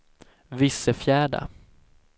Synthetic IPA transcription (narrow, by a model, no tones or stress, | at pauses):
vɪsːəfjæːɖa̰